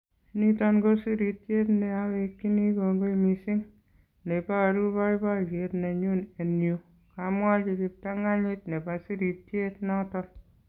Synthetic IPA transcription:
ni˦tɔ˦nɡo˦si˦ɾi˨t̚t͡ʃe˦tne˨a˦we˧kːi˦ni˦ko˨ŋɡo˦i˨mi˨si˦ŋ | ne˨pa˦a˨ɾu˦ba˦i˦ba˦˨ke˨˦tne˨ɲu˦ne˨nu˨ | ka˨mwa˦t͡ʃi˧ki˧p̚ta˦ŋa˦ɲi˦tne˨pa˨si˦ɾi˨t̚e˦tnɔ˦tɔ˦n

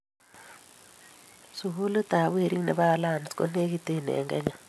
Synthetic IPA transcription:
su˨ɣu˦lo˦ta˨βwe˦˨ɾi˦ŋnḛ˨βa˦la˦˨n˨sko˦ne˦ɣi˦te˦˨nḛ˨ŋɡɛ̰˦ɲa

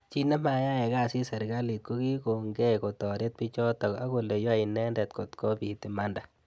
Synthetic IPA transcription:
t͡ʃi˦nɛ˦ma˨ja˦ŋɛ˨ɡa˦˨si˦sɛ˨ɾɡa˦li˨t̪̚ko˦ɡi˦ko˨ŋɡɛ˦ko˨t̪ɔ˨ɾe˦t̪̚pi˦t͡ʃɔ˦t̪ɔ˨ka˦ko˨le˨jɔ˦a˨i˨nɛ˦ndɛ˨t̪kɔ˨t̪kɔ˦bi˨t̪ɪ˨ma˦nda˨

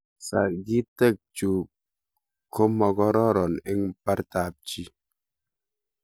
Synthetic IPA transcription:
sa̰˨ɡi˦te˦˨k̚t͡ʃu˨ | kʰo˦mɔ˨ɡɔ˦ɾɔ˦ɾɔ˨ne˦ŋpa˦ɾta˨p̚t͡ʃi˦

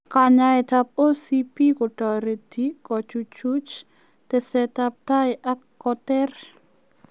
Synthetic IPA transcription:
ka˨ɲa˦ɛ˨t̪a˧p̚o˦sipi˦kɔ˨tɔ˨ɾe˨ti˦kʼɔ˨t͡ʃu˧t͡ʃu˦t͡ʃ | t̪ɛ˨sɛ˧t̪a˧p̚t̪a˦jʔa˦kːɔtɛ˦r

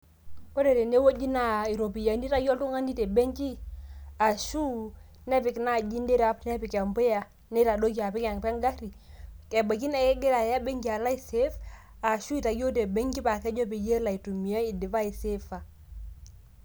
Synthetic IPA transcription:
ko˦ɾe˨ɾe˨ne˦wo˦d͡ʒi˦na˨i˨ɾo˨pi˨ja˨ndi˦ta˦jɔ˦ltu˦ŋa˦ndi˦te˨be˦ŋki˦a˨ʃu˦ | nɛ˦pɪ˨kna˦˨d͡ʒi˦nde˦ɾa˦pnɛ˦pi˨ka˨mpe˦ja˨ | ne˦ta˨do˦ki˨a˨pɪ˦ka˨ŋpɛ˦ŋɡa˦ɾi˨kɛ˨ba˨ki˦nɛ˦˨kɛ˦ɡe˦ɾa˨ja˦be˦ŋɡi˨a˨la˦i˨se˦f | a˨ʃu˦i˨ta˨jɔ˦te˨be˦ŋki˦pa˨kɛ˦d͡ʒɔ˦p̬i˨je˦la˨i˨tu˨mi˨a˦i˨di˨va˦i˨se˦fa˨

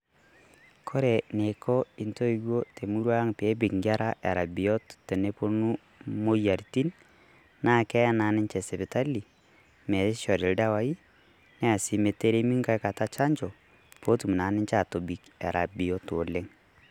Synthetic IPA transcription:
kʰɔ˦ɾɛ˨ne˨kɔ˦i˨nto˦i˦wo˦te˨mu˦ɾwa˦ŋpe˨˦bɪ˨kŋɡa˦ɾa˦ʔa̰˨ɾa˨bi˨ɔ˦tte˨ne˦po˦nu˦ | mo˦ja˨ɾti˦n | na˦˨kɛ˦ja˦na˨nɪ˦nt͡ʃɛ˨sɛ˨bɛ˨ta˦li˨ | mɛ˨˦ʃɔ˨ɾɪ˨lda˦wa˦i˦ | nɛ˦a˨si˨me˨te˦ɾe˦mi˦ŋka˨˦ka˨ta˦t͡ʃa˦ɲt͡ʃɔ˨ | po˦tu˨mu˨na˨nɪ˦nt͡ʃa˦˨to˨bi˨ka̰˨ɾʔa̰˨bi˨ɔ˦to˨le˦ŋ

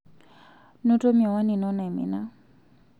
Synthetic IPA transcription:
no˦to˦miɔ˨wa˦ni˨nɔ˦na˨i˨mḭ˨na˦

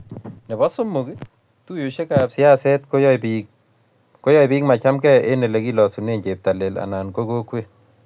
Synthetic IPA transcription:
nɛ˨bɔ˦sʊ˦mʊ˨kɪ˦ | tu˦ju˨ʃe˦ka˨a˨psɪ˦a˦sɛ˦tko˦jɔ˦pik̚ | ko˦jɔ˦jbi˦k̚ma˨t͡ʃa˦mkɛ˦ʔe˦ne˨le˨ki˦lɔ˨su˨ne˦˨ɲt͡ʃe˨p̚ta˨lɛ˨la̰˨na˨nko˦ko˦kwe˦

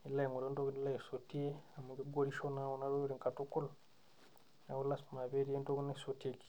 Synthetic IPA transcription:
i˨la˦e˨ŋu˨ɾo˦nto˦kni˦la˦je˨so˨ti˦e˦a˨mu˨ŋɡe˦ɡo˦ɾi˦ʃo˦na˦wo˨na˦ɾo˦ɾe˨ŋka˨tu˦ku˦l | na˨wu˦la˦sma˨βe˦ɾi˦e˦nto˦ku˦ne˦so˨te˨ki̥

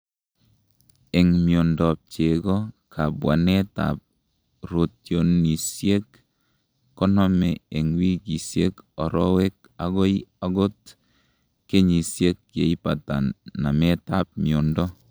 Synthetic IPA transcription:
ɛ˨ŋmjo˨ndɔ˨p̚t͡ʃe˨ɡɔ˦kʰa˨bwa̰˨nɛ˦ta̰˨p̚ | ɾo˨tjo˨ni˨sje˦kː | ɔ˦nɔ˦mɛ˨e˨ŋwi˦ki˨sje˦kɔ˨ɾɔ˦we˦k | a˨ɡɔ˦ia˨ɡo˦t | ke˦ɲi˨sje˦kje˨i˦pa˨ta̰˨nːa˨mɛ˦ta˦p̚miɔ˨ndɔ˦

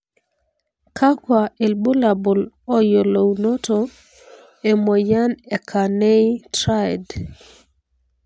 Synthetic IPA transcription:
kʰa˦kwa˨e˨lbo˦la˨bo˨l | ɔ˦jo˨lo˨wno˦to˨ | e˨mo˨ja˦nɛ˨kʰa˨ne˦itɾa˦jd

